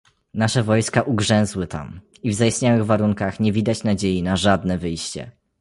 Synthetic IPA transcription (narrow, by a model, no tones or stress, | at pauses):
naʂɛvɔjskaʔuɡʐɛ̃w̃zwɘt̪a̰m | ivzajist̪ɲawɘɣvaɾuŋkaxɲɛvʲid̪at͡ɕnad͡ʑejinaʐad̪̚nɛvɘjɕt͡ɕɛ̰